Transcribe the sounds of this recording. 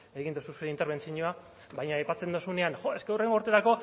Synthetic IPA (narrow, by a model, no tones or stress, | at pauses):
eɣind̪osuseɾint̪e̞ɾβe̞nt͡siɲoa | bajɲaajpat͡se̞nd̪osune̞anxoe̞skeure̞ŋɡo̞ɾt̪e̞ɾako̞